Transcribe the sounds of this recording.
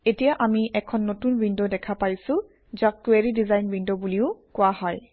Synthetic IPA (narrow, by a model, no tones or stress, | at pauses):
etijaʔamiʔɛkʰɔnːotunbindɔdɛkʰapajsʊ̃ | d͡ʒakːueɹidizajnbindɔbuliʊkʊaɦɔj